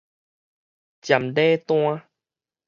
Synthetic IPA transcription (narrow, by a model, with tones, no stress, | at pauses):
t͡ɕja˨˩mɖe˦t̪w̃ã˧